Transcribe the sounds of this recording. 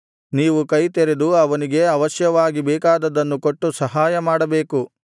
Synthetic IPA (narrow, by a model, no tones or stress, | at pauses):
niːʋukɐjt̪eɾed̪uɐʋɐniɡe̞ɐʋɐʃjɐʋaːɡibɛːkaːd̪ɐd̪ɐnːuko̞ʈːusɐɦaːjɐmaːɽɐbeːku